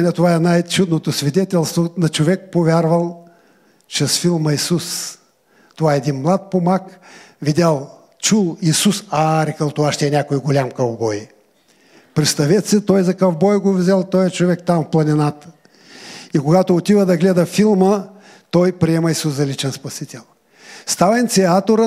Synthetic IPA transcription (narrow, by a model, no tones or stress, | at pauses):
nɐt̪ovaɛnajt͡ʃud̪not̪osvid̪ɛt̪ʲɛlˠst̪vonɐt͡ʃovɛk̚povʲjaɾvəlˠ | t͡ʃɛsfilˠməisus | t̪ovaɛd̪inmlˠat̪̚pomak | vidʲalˠ | t͡ʃulˠisusaɾɛkəlˠt̪ovaʃt̪ɛɛnʲakojɡolʲamkɐvbɔj | pɾɛtst̪ɐvɛt̪sɛt̪ɔjzɐkɐvbɔjɡovzʲɛlˠt̪ɔjɛt͡ʃovɛk̚t̪amfplˠɐnʲinat̪ə̥ | ikoɡat̪oːt̪ivɐd̪ɐɡlɛd̪ɐfilˠmə | t̪ɔjpɾiɛmɐisuszɐlit͡ʃɛnspɐsit̪ʲɛlˠ | st̪avnt̪siat̪oɾə